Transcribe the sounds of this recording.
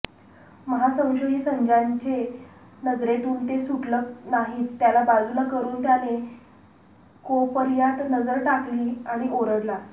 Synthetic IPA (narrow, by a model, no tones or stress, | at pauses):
məɦasə̃w̃ɕəɦiːsəɲd͡ʑaɲt͡ɕe | nəd͡zɾet̪uːnt̪esuʈlənaɦiːt͡st̪jalabad͡zʱuləkəɾuːnt̪jane | kopəɾjat̪nəd͡zəɾʈakliːaɽ̃iʔoɾəɽla